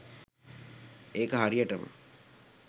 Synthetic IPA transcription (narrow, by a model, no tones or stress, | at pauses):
eːkəɦaɾijəʈəmə̰